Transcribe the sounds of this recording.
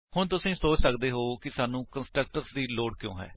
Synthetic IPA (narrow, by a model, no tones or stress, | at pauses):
hʊɳ̃t̪̬ʊsĩːsoːt͡ʃsəkd̪eːɦoːkɪsaːnũːkənsʈɾək̚ʈəɾsd̪iːloːɖkjõ̰ːɦɛ̰ː